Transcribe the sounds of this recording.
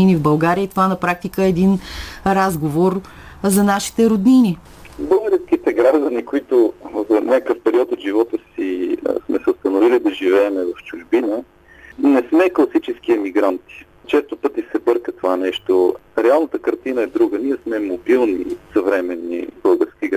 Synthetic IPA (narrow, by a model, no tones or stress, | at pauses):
inivbɐlˠɡaɾiəit̪ovanɐpɾak̚t̪ikəɛːd̪inɾazɡovoɾ | zɐnaʃi̥t̪ɛɾod̪nini | bɤlˠɡəɾsk̟it̪ɛɡɾaʒd̪ənikoit̪ʊzɐnʲakəfpɛɾiɔt̪ot̪ʒivɔt̪əsḭsmɛsɛost̪ɐnovilid̪ɐʒivɛːmɛvɐft͡ʃʊʒbinə | nɛsmɛklˠɐsit͡ʃɛskiɛmiɡɾant̪i̥ | t͡ʃɛst̪opɤt̪isɛbɤɾkət̪ovanɛʃt̪oɾɛalˠnət̪əkəɾt̪inəɛd̪ɾuɡəniɛsmɛmobilˠnḭsəvɾɛmɛnːḭbɤlˠɡəɾskʲiɡ